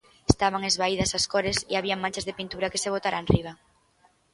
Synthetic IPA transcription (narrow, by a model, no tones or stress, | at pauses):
est̪aβ̞aŋezβaiðɐsaskɔɾesiaβiaŋmãnt͡ʃazðepint̪uɾɐkeseβ̞ot̪aɾanriβ̞ɐ